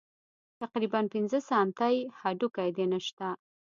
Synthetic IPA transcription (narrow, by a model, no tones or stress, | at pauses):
t̪aqɾibanpɪnzəsɑmt̪ajhaɖukajd̪enəʃt̪a